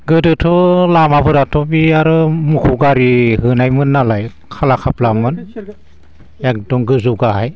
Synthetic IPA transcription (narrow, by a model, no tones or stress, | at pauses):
ɡɯdɯtʰɔlamabʰɯɾatʰɔbiaɾɯmukʰuɡaɾiɦɯnajmɯnːalaj | kʰalakʰaplamɯn | ek̚dɔŋɡɯzuɡahaj